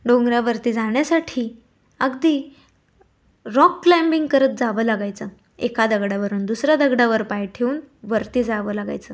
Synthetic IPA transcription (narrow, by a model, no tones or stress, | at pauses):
ɖõŋɡɾjaʋəɾt̪iːd͡zaɳjasaʈʰiː | əɡd̪iː | ɾɔkːlambiŋɡkəɾət̪̚d͡zaʋəlaɡajt͡sə | ekad̪əɡɽaʋəɾuːnd̪usɾjad̪əɡɽaʋəɾpajʈʰeuːnʋəɾt̪iːd͡zaʋəːlaɡa̰jt͡səː